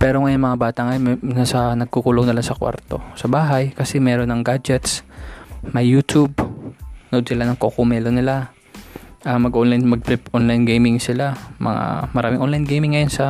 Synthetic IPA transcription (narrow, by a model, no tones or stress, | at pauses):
pɛːɾo̞ŋɐjonmɐŋabaːt̪ɐʔŋɐjonmnɐsɐnɐɡ̚kukuloŋnɐlasɐkwa̰ɾt̪o̞̰sɐbaːɦɐjkɐsɛmɛːɾonːɐŋɡaːd͡ʒɛt̪s | mɐjːuːt̪ub̚ | nɐʔod̪̚sɪlanɐŋkokomɛːlonɪla | ʔɐmɐɡʔonlajnmɐɡ̚pɛpʔonlajnɡejmɪŋsɪlamɐ̰ŋa̰mɐɾaːmɪŋʔonlajnɡejmɪŋːɐjonsɐ